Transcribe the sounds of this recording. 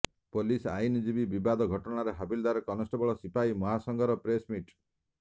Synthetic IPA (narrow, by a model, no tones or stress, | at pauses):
polisa̰jnid͡ʒibibibad̪ɔɡʱɔʈɔnaɾeɦabild̪aɾɔkɔnɔsʈɔbɔɭɔsipajmɔɦasɔŋɡɔɾɔpɾesmiʈ